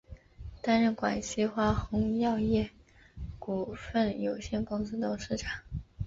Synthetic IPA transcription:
t̪a˥nɻə˥˩nkwa̰˨˩nɕi˥xwa˥˩xʊ˧˥ŋjɑ˥˧ʊjɛ˥˩ | ku˨˩fə˥˩njo˨˩ʊɕjɛ˥˩nkʊ˥ŋs̩˥t̪o˥ʊʂɻ̩˥˩ʈ͡ʂʰḁ˨˩˦ŋ

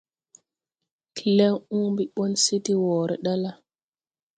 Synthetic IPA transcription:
kʰi˨lɛ˦ŋuː˦mbi˨ɓɔ˦nsi˦ti˦wɔː˨ɾɛ˨ɗa˦la˦˨

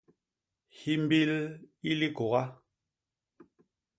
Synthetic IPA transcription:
hi˦m˦bi˦li˦li˦ko˨ɣa˦

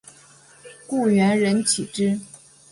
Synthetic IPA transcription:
ku˥˩ɥɛ˧˥nɻə˧˥nt͡ɕʰi˨˩ʈ͡ʂɻ̩˥

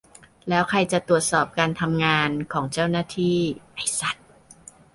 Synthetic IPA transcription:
lɛː˦˥wkʰɾa˧jt͡ɕa˨˩t̪ɾu˨˩ət̪̚sɔː˨˩p̚kaː˧nt̪ʰa˧mŋaː˧nkʰɔː˩˦ŋt͡ɕa˥˩wnaː˥˩t̪ʰiː˥˩na˥˩jsa˨˩t̪̚

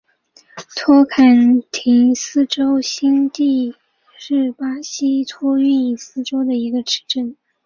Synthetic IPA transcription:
t̪ʰwɔ˥kʰa˨˩nt̪ʰi˧˥ŋsɹ̩˥ʈ͡ʂo˥ʊɕi˥nt̪i˥˧ | ʂɻ̩˥˩pa˥ɕi˥t̪ʰɔ˥y˥˧ni˨˩sɹ̩˥ʈ͡ʂo˥ʊd̪ə˨i˧˥ɡə˧ʈ͡ʂʰɻ̩˧˥ʈ͡ʂə˥˩n

